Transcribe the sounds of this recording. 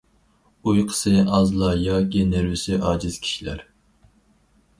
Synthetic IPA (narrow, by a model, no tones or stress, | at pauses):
ujqʰə̥sɨɑzlˠɑjɑɡʲeneɾvɪsɪʔɑːd͡ʒɪz̥kʲʰi̥ʃilæ̰ɾ